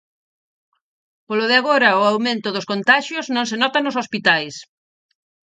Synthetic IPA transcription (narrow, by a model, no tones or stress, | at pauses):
polʊðɪaɣoɾɐʊawmẽnt̪ʊðʊskont̪aʃjʊznõŋs̬enɔt̪ɐnʊsospit̪ajs